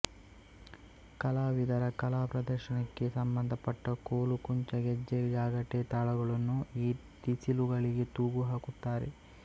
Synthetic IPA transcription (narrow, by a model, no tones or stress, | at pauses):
kɐlaːʋid̪ɐɾɐkɐlaːpɾɐd̪ɐɾʃɐnɐkːe̞sɐmbɐnd̪ʱɐpɐʈːɐkoːlukuɲt͡ʃɐɡɛd͡ʒːeld͡ʒaːɡɐʈːet̪aːɭɐɡɐɭɐnːuiː | t̪isiluɡɐɭiɡe̞t̪uːɡuɦaːkut̪ːaːɾḛ